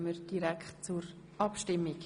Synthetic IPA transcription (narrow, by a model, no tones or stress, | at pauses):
məɾd̥iɾɛkχt̚t͡suɾ | ɑpʃtɪmːik